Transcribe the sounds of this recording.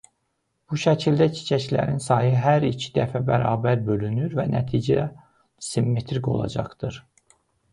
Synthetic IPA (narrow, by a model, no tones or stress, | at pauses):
b̥uʃæcʰild̪æcʰi̥t͡ʃʰæclæ̰ɾinsɑjɯɦæɾicʰi̥d̪æfæbæɾɑːbæɾbø̞lynyɾvænæt̪ʰiːd͡ʒæ | simːet̪ʰɾikʰo̞̰lˠɑ̰d͡ʒɑχd̪̥ɯɾ